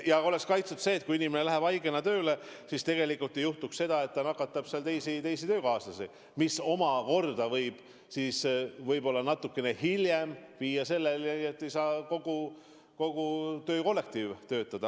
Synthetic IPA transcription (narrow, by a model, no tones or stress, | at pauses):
jɑo̞le̞kskɑjt̪sut̪se̞ːt̪̚ːˑkuinimenelæɦæb̥ɑjɡe̞nɑt̪øːle̞sist̪e̞ɡ̥e̞likːult̪ːˑe̞juht̪uksse̞d̪ɑe̞t̪t̪ːɑnɑkːˑɑt̪ːˑɑb̥seɑlt̪e̞jsit̪e̞jsit̪øːkɑːsɑsi | miso̞mɑko̞rd̪ɑvɤjb̥ | siːsvɤjbo̞lːɑnɑt̪ːˑukːe̞ne̞hiljemviːjɑse̞lːelet̪ːe̞jsɑːko̞ɡ̥u | ko̞ɡ̥ut̪ø̞ːko̞lːe̞k̚t̪iːvt̪ø̞ːt̪ːˑɑd̪̥ɑ